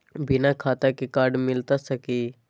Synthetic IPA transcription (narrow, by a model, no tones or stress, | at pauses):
bɪnakʰaːt̪akekaːɾɖmɪlt̪asəkiː